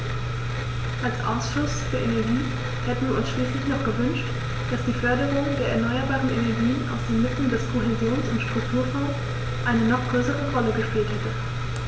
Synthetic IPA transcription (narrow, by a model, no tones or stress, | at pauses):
ʔalsʔa̰ʊsʃʊsfyːɐʔenɛɐɡiː | hɛtn̩viːɐʊnsʃliːslɪçnɔχɡ̥əvʏnʃt | d̥asd̥iːfœɐɾəʁʊŋdeːɐɛɐnɔʏɐbaːʁənenɛɐɡiːənʔa̰ʊsd̥eːnmɪtn̩dɛspʰʁ̥oɦɛzoːnsʊntʃtʁ̥ʊk̚tʰuːɐfɔʊs | ʔaɪnənɔχɡ̥ʁøːsəʁəʁɔləɡəʃpiːlthɛtə